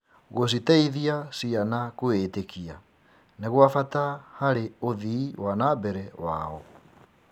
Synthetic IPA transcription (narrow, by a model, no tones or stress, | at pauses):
ɣos̬itaiðiasianakoetekia̰ | neɣwafatahaɾeoðiːwanabɛɾɛwa̰ɔ